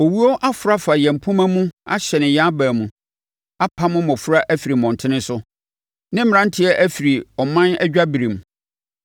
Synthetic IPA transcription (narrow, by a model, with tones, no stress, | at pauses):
o˨wi˦ɔ˦ʔa˦fʊ˨ɾa˦fa˨jɛ̃˨m̩˨pʰʊ̃˦mã˦mũ˦a˦ɕɛ˨nɪ̃˨ja˦bæː˨mũ˨ | a˦pʰa˦mʊ̃˦mɔ̃˨fu˦ɾa˦ʔæ˦fi˨ɾi˨mɔ̃˨n˨tʰɪ˦nɪ̃˦sʊ˦ | nɪ̃˦m˨ɾã˦n˦tʰɪ˦ɛ˦ʔæ˦fi˨ɾi˨ɔ˨mã˦næ˦d͡ʑᶣa˦bi˨ɾĩ˨m˨